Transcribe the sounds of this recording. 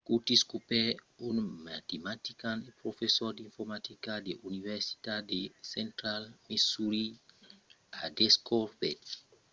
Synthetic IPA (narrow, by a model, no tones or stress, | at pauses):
kutiskupɛunmat̪emat̪ikãnepɾofesɔɾdĩnfɔɾmat̪ikadeʔunivɛsi̥tadesɛ̃ntɾalmesuɾi | adeskɔvɛt